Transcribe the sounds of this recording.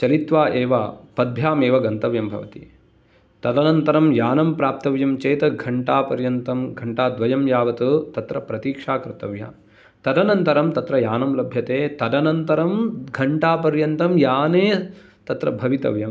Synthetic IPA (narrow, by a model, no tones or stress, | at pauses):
t͡ʃɐlit̪ʋaːʔeːʋɐpɐd̪̚bʱjaːmeːʋɐɡɐnt̪ɐʋjɐmbʱɐ̰ʋɐt̪ḭ | t̪ɐd̪ɐnɐnt̪ɐɾɐmjaːnɐmpɾaːp̚t̪ɐʋjɐmt͡ʃeːt̪ɐɡʱɐɳʈaːpɐɾjɐnt̪ɐmɡʱɐɳʈaːd̪ʋɐjɐmjaːʋɐt̪ut̪ɐt̪ɾɐpɾɐt̪iːkʂaːkɾɪt̪ɐʋja̰ː | t̪ɐd̪ɐnɐnt̪ɐɾɐmt̪ɐt̪ɾɐjaːnɐmlɐbʱjɐt̪eːt̪ɐd̪ɐnɐnt̪ɐɾɐmɡʱɐɳʈaːpɐɾjɐnt̪ɐmjaːneː | t̪ɐt̪ɾɐ̰bʱɐʋit̪ɐ̰ʋjɐm